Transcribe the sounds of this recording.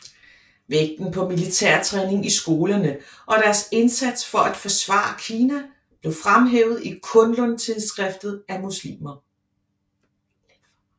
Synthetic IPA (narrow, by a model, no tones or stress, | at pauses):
ʋeɡ̥̚d̥n̩pʰɒ̽milit͡sʰeɐ̰t͡sʰʁɛne̝ŋisɡ̥o̝ːlɐnə | ʔɒ̽ɾ̥æɐse̝nsæd̥sfɒ̽ʔæd̥fɒ̽sʋɑ̰̈ːɐkʰiːnæ | b̥le̝ʊfʁamɦḛːʊð̞̩ˠikʰɔ̽nlɔ̽nt͡sʰiðˠsɡ̥ʁɛfd̥ð̞̩ˠæmuslḭːmɐ